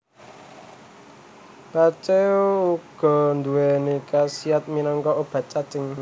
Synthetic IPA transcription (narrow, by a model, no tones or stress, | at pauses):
b̥at͡ʃeuɡ̥ɔ̤nd̪uwenikasiat̪̚minɔŋkɔʔob̥a̤t͡ʃːad̪̥ə̤ŋ